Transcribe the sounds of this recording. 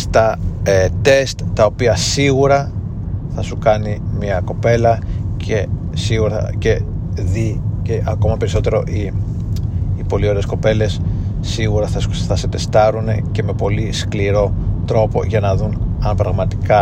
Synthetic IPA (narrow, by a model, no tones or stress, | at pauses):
st̪ɐet̪e̞st̪ːɐo̞piɐsiɣuɾɐ | θɐsukɐnimiɐko̞pe̞lɐce | siɣuɾce̞ | ðiceʔɐko̞mɐpe̞ɾisot̪e̞ɾo̞ʔi | ipo̞lio̞ɾesko̞pe̞le̞sː | iɣuɾɐθɐθɐset̪e̞st̪ɐɾune̞ce̞me̞po̞liskliɾo̞t̪ɾo̞po̞̰ʝɐnɐðunɐnpɾɐɣmɐt̪i̥kɐ